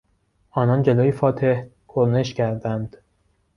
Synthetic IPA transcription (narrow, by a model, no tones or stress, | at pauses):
ʔɒːnɒnd͡ʒeloːjefɒːt̪ʰe̞h | kʰoɾne̞ʃcʰæɾd̪ænd̪̥